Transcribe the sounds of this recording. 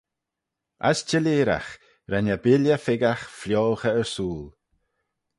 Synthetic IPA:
ʔa̰st͡ʃəliːɾa̰x | ɾanabɪljəfɪɡaxfljoːxəəɹsuːl

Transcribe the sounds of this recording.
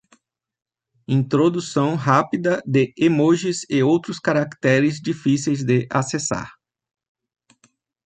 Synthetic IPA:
ĩnt̪ɾod̪usɐ̃w̃ɦapid̪ɐd̪ɪemoʒɪzɪowt̪ɾʊskaɾakt̪ɛɾɪzd͡ʒifisejzd̪eʔasesa̰ɾ

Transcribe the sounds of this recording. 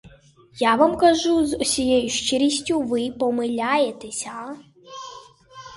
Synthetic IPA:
javamkɐʒuzusʲijejuʂt͡ʃɪɾʲisʲtʲuvɨpɔmɨlʲajɛt̪ʰɛsʲa

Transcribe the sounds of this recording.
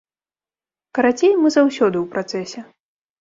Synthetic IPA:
kɐɾat͡sʲejmːɨzawsʲɔd̪ɨwpɾat̪sɛsʲɛ

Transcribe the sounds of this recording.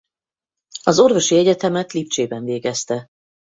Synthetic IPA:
ɒzo̞rvo̞ʃiɛɟɛt̪ɛmɛt̪lipt͡ʃeːbɛɱveːɡɛst̪ɛ

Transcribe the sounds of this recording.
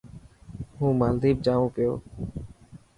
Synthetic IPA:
ɦũːmaːld̪iːb̚d͡ʒaːʋõːpɪjo̰ː

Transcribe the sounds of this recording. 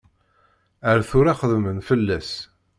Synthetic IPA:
əɾθʊɾaχəðmənfəlːæs

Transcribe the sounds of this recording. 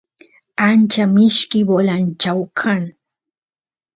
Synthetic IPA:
ant͡ʃamɪʃkɪbolant͡ʃawkʰaŋ

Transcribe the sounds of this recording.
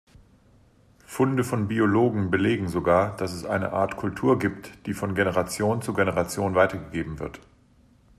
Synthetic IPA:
fʊndəfɔnbioloːɡŋ̩bəleːɡŋ̩zoɡaːɐd̥asɛsʔa̰ɪnə̰ʔa̰ːɐtkʰʊltʰuːɐɡiːptd̥iːfɔnɡenəʁat͡sjoːnt͡suɡenəʁat͡sjoːnvaɪtɐɡəɡeːbm̩vɪɐt

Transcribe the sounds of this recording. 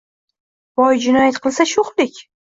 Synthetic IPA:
b̥ɒjd͡ʒɪnɒjat̪qʰɨlˠsaʃoχlɪkʲ

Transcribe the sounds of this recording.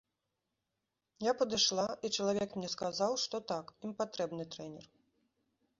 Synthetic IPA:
japɐd̪ɨʂlˠait͡ʂɐlˠavʲɛkmnʲɛskazawʂt̪ɔt̪akimpat̪ɾɛbn̪ɨt̪ɾɛnʲɛ̰r

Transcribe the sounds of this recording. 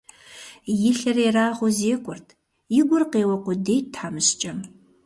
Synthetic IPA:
jɪɬɐreraːʁʷʊzeːkʷʰʼʊrtʰ | jɪɡʷʊrqeːwɐqʷʊdeːjtʰħaːmɨɕt͡ʃʼɐm

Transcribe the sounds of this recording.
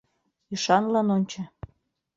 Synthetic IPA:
yʃɑnlɑnonʲt͡ɕɤ̆

